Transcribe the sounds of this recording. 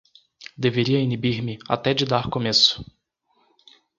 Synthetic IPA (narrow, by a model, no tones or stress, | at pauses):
d̪eveɾiɐinibiɾmɪa̰t̪ɛd͡ʒɪd̪aɾkomesʊ̥